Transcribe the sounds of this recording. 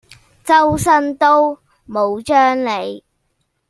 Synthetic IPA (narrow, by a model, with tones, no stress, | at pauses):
t͡sɐ˥ws̬ɐ˥nt̪o˥w | mo˨˧wt͡ʃœː˥ŋle˨˧j